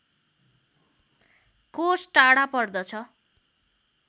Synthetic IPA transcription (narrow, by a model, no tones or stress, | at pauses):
kosʈaɽapʌrd̪ʌt͡sʰʌ